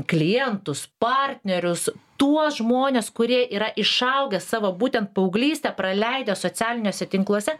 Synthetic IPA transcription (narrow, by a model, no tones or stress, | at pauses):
klʲɪjɛnt̪ʊspɑːɾʲt̪ʲnʲɛɾʲʊst̪uɔsʒmoːnʲeːskʊɾʲiɛʔiːɾɐʔɪʃɐʊɡʲɛssɑːʋoːbuːt̪ʲɛnt̪̚pɐʊɡlʲiːsʲt̪ʲɛpɾɐlʲɛɪd̪ʲoːsoːt͡ssʲæːlʲɪnʲoːsʲɛt̪ʲɪŋklˠuɔsʲɛ